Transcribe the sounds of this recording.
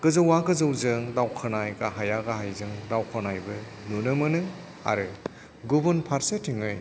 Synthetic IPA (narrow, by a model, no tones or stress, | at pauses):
kɯzɯwaɡɯzɯwzɯŋdawkʰɯnajɡaɦajaɡaɦajzɯŋdawkʰanajbɯ | nunɯmɯnɯ | a̰ɾɯ | ɡubunpʰaɾsetʰiŋɯj